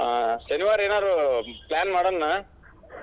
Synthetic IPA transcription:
aʃɐniʋaːɾeːnaːd̪ɾoplaːnmaːɽonːa

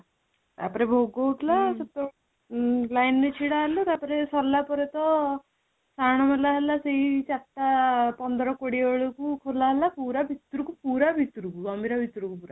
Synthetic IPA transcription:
t̪a̰pɔɾebʱoɡowʈlasɔt̪ɔ | lajnnet͡ʃʰiɽalut̪apɔɾesɔlːapɔɾet̪ɔ | saɽ̃ɔmalaɦelaseɦit͡ʃat̪ːapɔnd̪ɔɾɔkoɽioɭɔkukʰolaɦelapuɾabʱit̪ɾukupuɾabʱit̪uɾukuɡɔmbʱiɾabʱit̪ɾukupuɾa

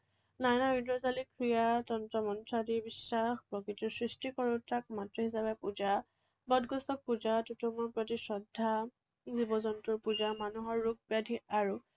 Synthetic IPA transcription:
najnaudɔzalikʰɹijatɔntɹɔmɔntɹadiɹbisːaxpɔkitɔɹsɹistikɔɹutakmatɹɔɦisabɛpuza | bɔdɡɔsɔk̚puzatutɔmɔɹpɹɔtisɔdʱːa | zibɔzɔntʊɹpuzamanuɦɔɹːuk̚padʱiaɹu

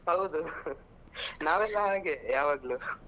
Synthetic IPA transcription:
ɦɐwd̪u | naːʋɛlːaɦaːɡejaːʋɐɡɐɭu

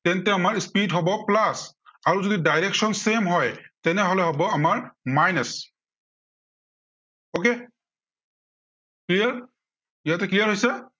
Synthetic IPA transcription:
tɛntɛamaɹspidɦɔbɔplasaɹuzodidajɹɛksɔnsemɦɔjtɛnɛɦɔlɛɦɔbɔamaɹmajnɛs | oke | klijaɹ | ijatɛklijaɹɦojsɛ

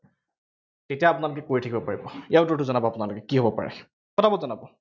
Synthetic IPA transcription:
tetijaːpʊnalʊkɛkoɹitʰakibɔpaɹibɔiaʊtotuzɔnabɔapʊnalʊkɛkiɦobɔpa̰ɹɛ̰ | kɔtʰabɔtzɔnabɔ

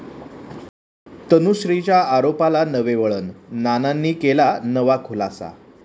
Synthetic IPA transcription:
t̪ənuɕɾit͡ɕjaaɾopalanəʋeʋəɭənːananːiːkelanəʋakʰolasa̰

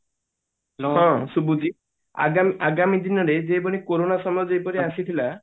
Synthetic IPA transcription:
ɦɔ̃subud͡ʒi | a̰ɡamiaɡamid̪inɔɾed͡ʒejbɔnikoɾonasɔmɔjɔd͡ʒejpɔɾiasit̪ʰila

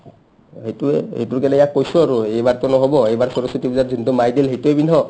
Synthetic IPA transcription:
hejtuɛhḛjtuɹkɛnɛjakːojsʊaɹuejbaɹtʊnɔɦobɔejbaɹsɔɹɔsitibizatzintumajdilɦejtuɛbinɦɔ

